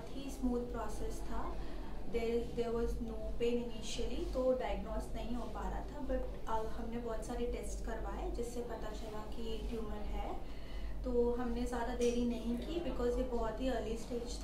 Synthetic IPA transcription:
t̪ɦismuːd̪̚pɾɔːsɛst̪ʰad̪ed̪eːɾʋɔznoːpẽːnɪniːʃəlit̪oɖaːɪəɡnɔːsʈnɐɦĩɦoːpa̰ːɾa̰t̪ʰabɐʈ | ɐhɐmnebɔːt̪saːɾeʈeːsʈkɐɾʋaːed͡ʒɪsːepɐt̪at͡ʃɐlakieːʈjuːməɾɦɛ | t̪oːɦɐmnezjaːd̪ad̪eːɾinɐɦĩkibɪkɔːzjebɔɦt̪ɦiɐlisʈeːd͡ʒt̪ʰ

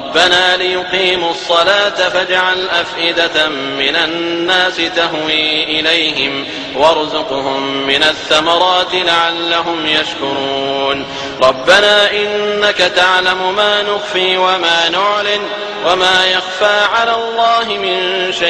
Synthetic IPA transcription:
ɾbːanaːlɪjʊqiːmʊsˤːɑlaːt̪afad͡ʒaʕalʔafʔɪd̪a | mɪnanːaːsɪt̪aɦwiːʔɪlajɦɪm | wɑɾˤzʊqʊɦʊmːɪnaθːamɑɾˤɑːt̪ɪlaʕalːaɦʊmjaʃkʊɾˤuːn | ɾˤɑbːanaːʔɪnːakat̪aʕlamʊmaːnʊɣfiːwamaːnʊʕlɪn | wamaːjaɣfaːʕalaːlˤːɑːɦɪmɪnʃaʔ

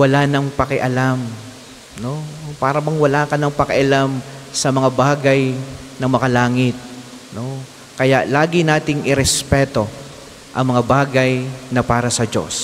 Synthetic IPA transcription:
wɐlanɐŋpɐkɛʔɐlam | no̞paːɾɐbɐŋwɐlaːkɐnɐŋpɐkɪʔɐlamsɐmɐŋabaːɡɐjnɐŋmɐkɐlaːŋɪt̪̚ | no̞ | kɐjaʔlaːɡɪnaːt̪ɪŋʔɪɾɛspɛːt̪o̞ | ʔɐŋmɐŋabaːɡɐjnɐpaːɾɐsɐd͡ʒo̞̰s

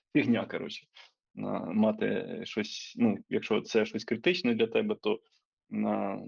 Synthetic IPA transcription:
fʲiɣnʲakɐɾɔ̰t͡ʃɪ̥ | nɐ̰mɑt̪ɛ̰ʃɔsʲnujɐkʃt͡ʃɔ̰t̪t̪sɛʃɔsʲkɾɪt̪ɪt͡ʃnɐd̪lʲɐt̪ɛbɛt̪o | na

